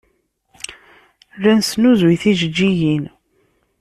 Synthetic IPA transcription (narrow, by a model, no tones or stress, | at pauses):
rænsnuzwiθiʒəd͡ʒːijin